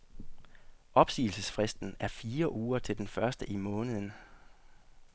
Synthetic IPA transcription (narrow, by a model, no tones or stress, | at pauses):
ʔɒ̽b̥sḭːl̩səsfʁɛsd̥n̩æɐfiːɐʔuːɐt͡sʰe̝ld̥enfɶɐsd̥əʔimɔ̽ːnəð̩ˠən̩